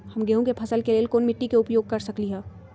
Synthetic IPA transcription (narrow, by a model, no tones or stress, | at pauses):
hɐmɡeɦõkepʰɐsəlkeleːlkoːnmɪʈːikeʊpjoːɡ̚kɐɾsɐkliɦɛː